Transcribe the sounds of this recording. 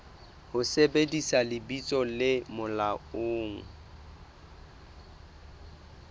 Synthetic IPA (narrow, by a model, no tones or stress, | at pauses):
hʊsebedisalɪbit͡sʼɔlɪmʊlaoːŋ̩